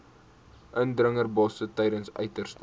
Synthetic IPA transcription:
ʔəndrəŋərbɑsətɛjdənsœ̰ɥtərst

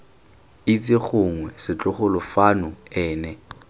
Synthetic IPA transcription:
ɪt͡sʼɪχʊŋwɛsɪt͡ɬʼʊχʊlʊfanʊɛːnɛ

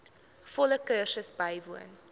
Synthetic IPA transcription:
fɔləkəːsəsbɐjvuən

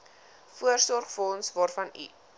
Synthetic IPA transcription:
fuərsɔrχfəɔnsvɑːrfɐnḭ

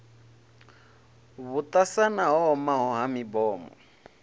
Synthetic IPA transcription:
βut̪ʼasanaɦɔɔmaɦɔɦamibɔːmɔ̰

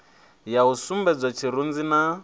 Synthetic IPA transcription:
jausumbɛd͡zɔt͡ʃʰiɾund͡zina

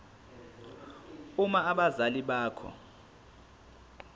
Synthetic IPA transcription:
umaaɓazaliɓaːkʰɔ̰

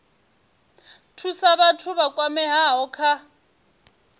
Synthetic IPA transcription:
tʰusaβatʰʊβakwamɛɦaɔkʰa

